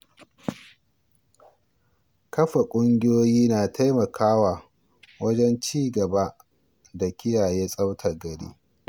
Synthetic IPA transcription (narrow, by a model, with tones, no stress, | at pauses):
kɐ˦ɸa˨kʷʼʊ˦ŋɡʲɪ˦joː˦jiː˦naː˨tʰa˦jmɐ˨kʰaː˦waː˨ | wɐ˦d͡ʒɛ˦nt͡ʃiː˦ɡɐ˨ba˦ʔ | da˨kʲɪ˦jaː˨jeː˦sʼɐ˦wtʰa˨ɡɐ˨ɽḭː˦